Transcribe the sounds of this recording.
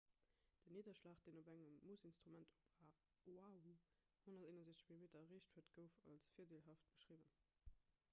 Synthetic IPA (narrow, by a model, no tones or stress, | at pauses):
d̥əniːdɐʃlɑːχt̚d̥eːnobæŋəmːusinstʁ̥umæntop | oau | honɐteːnənzeːt͡sə̥ʃmilimeːtɐɐʁeːɕtʰhuəɐtɡ̥əʊfɑ̰lsfiːɐdelɦɑːft̚b̥ə̥ʃʁiːvən